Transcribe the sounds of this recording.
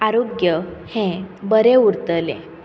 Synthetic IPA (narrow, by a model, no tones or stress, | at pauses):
aɾoɡjəhẽbəɾeuɾt̪əlḛ̃